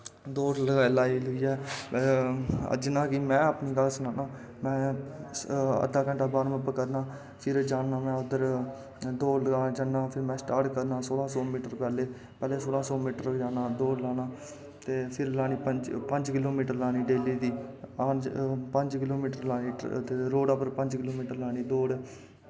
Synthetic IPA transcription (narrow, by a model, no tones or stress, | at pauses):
d̪oːɾləɡaːiːlaːiːlɡiːɛː | ə̰d͡ʒɪnãːkɪmɛ̃ːapniːɡəlsənaːnaː | mɛ̃ː | ə̰d̪aːkə̃ɳʈaːbaːɾməpəkəɾnaː | pʰɪɾd͡ʒaːnːãːmɛ̃ːʊd̪əɾ | d̪oːləɡaːd͡ʒənnãːpʰɪɾmɛ̃ːsʈaːɾʈkəɾnãːsoːlãːsɔːmiːʈəɾpɛːleː | pɛːleːsoːlãːsɔːmiːʈəɾd͡ʒaːnãːd̪oːlaːnaː | t̪eːpʰɪɾlaːniːpəd͡ʒpəɲd͡ʒkɪloːmiːʈəɾlaːniːɖeːliːd̪iːaːd͡ʒpəɲd͡ʒkɪloːmiːʈəɾlaːniːt̪eːɾoːɖəpəɾpəɲd͡ʒkɪloːmiːʈəɾlaːniːd̪oːɽ